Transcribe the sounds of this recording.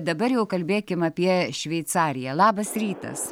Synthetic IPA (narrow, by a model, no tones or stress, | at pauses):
d̪ɐbɐɾjɛʊkɐlʲbʲeːkʲɪmɐpʲiɛʃʲʋʲɛɪt̪sɑːɾʲɪjɛlˠɑːbɐsɾʲiːt̪ɐ̰s